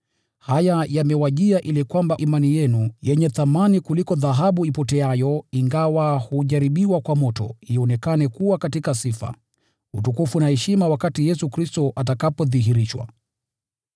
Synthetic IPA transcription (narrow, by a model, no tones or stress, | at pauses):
hajajamɛwaʄiaʔilikwambaʔimanijɛnujɛɲɛθamanikulikɔðaɦaɓuipɔtɛajɔiŋɡawahuʄaɾiɓiwakwamɔtɔ̰iɔnɛkanɛkuwakatikasifa̰ | utukufunahɛʃimawakatijɛsukɾistɔʔat̬akapɔðiɦiɾiʃwa̰